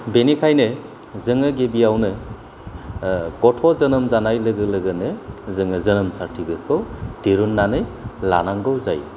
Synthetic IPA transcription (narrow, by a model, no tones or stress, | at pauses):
benikʰajnɯ | zɯŋɯɡebiawnɯ | ɡɔtʰɔzɯnɯmzanajlɯɡɯlɯɡɯnɯzɯŋɯzɯnɯmsaɾtʰibɯkʰɯwdeɾunːanɯjla̰naŋɡɯwza̰j